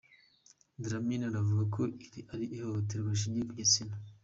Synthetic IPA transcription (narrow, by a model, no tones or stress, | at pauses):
dɾaminaɾavuɡakʰoiɾiaɾiʔːhohot̬eɾɡaʃ̬iɲikujisina